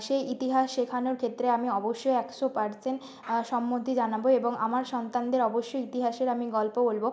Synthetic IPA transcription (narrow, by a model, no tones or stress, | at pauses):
ʃeit̪iɦaʃʃekʰanoɾkʰet̪ːɾeamiɔboʃːojɛkʃopaɾsen | ʃɔmːot̪id͡ʑanaboeboŋa̰maɾʃɔnt̪and̪eɾɔboʃːojit̪iɦaʃeɾamiɡɔlpobolbo